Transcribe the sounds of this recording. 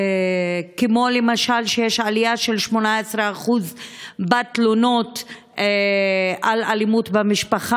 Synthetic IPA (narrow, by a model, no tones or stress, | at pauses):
kemo̞lemaʃalʃejeʃalijaʃelʃmo̞naesʁeaχuzbat̪lono̞t | e | alalimutbamiʃpaχa